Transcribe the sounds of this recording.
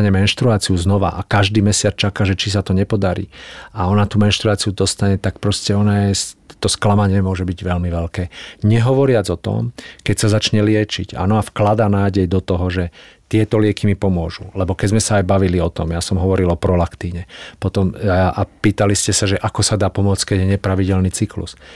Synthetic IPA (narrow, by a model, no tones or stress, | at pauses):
ɲɛmɛnʃt̪ɾuaːt͡siuznɔʋa̰ʔakaʒd̪iːmɛsɪat͡st͡ʃakaːʒɛt͡ʃis̬at̪ɔɲɛpɔd̪aɾḭːaɔnat̪uːmɛnʃt̪ɾuaːt͡siud̪ɔst̪aɲɛt̪ak̚pɾɔscɛɔnajɛst̪ɔsklamaɲɪɛmʊɔʒɛbiɟʋɛlmiʋɛlkɛːɲɛɦɔʋɔɾɪad͡zɔt̪ɔ̰mkɛcsazat͡ʃɲɛlɪɛt͡ʃḭɟa̰nɔafklad̪aːnaːɟɛjd̪ɔt̪ɔɦɔʒɛt̪ɪɛt̪ɔlɪɛkimipɔmʊɔʒulɛbɔkɛzmɛsaːjbaʋiliɔt̪ɔmjasɔmɦɔʋɔɾilɔpɾɔlakt̪iːʊɲɛpɔt̪ɔmʔapiːt̪aliscɛsaʒɛʔakɔsad̪aːpɔmʊɔt͡sckɛɟjɛɲɛpɾaʋiɟɛlniːt͡siklṵs